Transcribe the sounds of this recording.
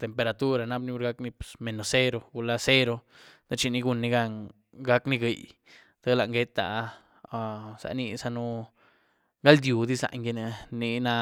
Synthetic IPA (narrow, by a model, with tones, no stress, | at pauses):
t̪e˨mpe˧ɾa˨t̪u˦ɾa˧na˦bni˦u˦ɾɡa˦kni˧pe̥˨sme˨no˨se˦ɾo˧ɡu˧la˦˧se˦ɾo˧ | t̪a˦t͡ʃi˧ni˧ɡu˧nːi˧ɡa˧ŋ | ɡa˦kni˧ɡe˧˨j | d̪̥a˦la˨ʔŋɡe˦t̪a̰˨˧ | sa̰˨ni˧sa˧nu˦ | ɡa˦ld̪ju˨d̪i˦za̰˨ɲɡi˧ne˧ni˧na˧